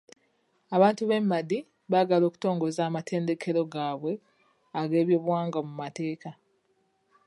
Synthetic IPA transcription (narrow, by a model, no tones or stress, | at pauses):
aβaːntuβe̞mːadi | βaɡalo̞ːku̥to̞ːŋɡo̞zaːmatʰe̞ːnde̞kʰe̞ɾo̞ɡaːβwe̞ | aɡe̞ːβjoːβuwaːŋɡamumate̞ːka